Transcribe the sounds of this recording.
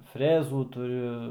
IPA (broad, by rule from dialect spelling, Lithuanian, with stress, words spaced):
ˈfʲrʲæːzuː tʊˈrʲʊ